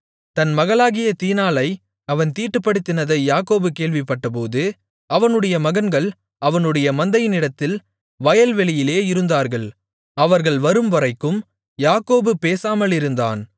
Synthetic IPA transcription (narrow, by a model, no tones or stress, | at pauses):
t̪ɐnmɐɣɐɭaːɣɪjɐt̪iːnaːlɐɪ | ɐʋɐnt̪iːʈːɯpːɐɽɯt̪ːɪnɐðɐɪjaːkoːbɯkeːɭʋɪpːɐʈːɐp̬oːðɯ | ɐʋɐnɯɽɐjɐmɐɣɐnɡɐɭ | ɐʋɐnɯɽɐjɐmɐnd̪ɐjɪnɪɽɐt̪ːɪl | ʋɐjɐlʋɛɭɪjɪleːɪɾɯnd̪aːɾɣɐɭ | ɐʋɐɾɣɐɭʋɐɾɯmʋɐɾɐɪkːɯm | jaːkoːbɯpeːsaːmɐlɪɾɯnd̪a̰ːn